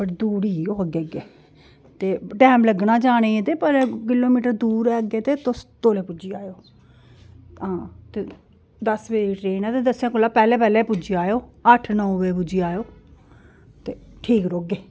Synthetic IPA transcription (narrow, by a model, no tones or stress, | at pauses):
pəʈd̪uːɾioːəɡeɡeː | t̪eːʈɛːmləɡnaːd͡ʒaːɽ̃eːẽt̪eːpəɾkɪloːmiːʈəɾd̪uːɾɛːɡeːt̪eːt̪ʊst̪oːleːpʊd͡ʒiːaːjoː | ɦãːt̪eː | d̪əsʋeːʈɾeːnɛːt̪eːd̪əsjãːkʊlːaːpɛːlẽːpɛːleːpʊd͡ʒiːaːjoːəʈʰnɔːʋeːpʊd͡ʒiːaːjoː | t̪eːʈʰiːkɾoːɡeː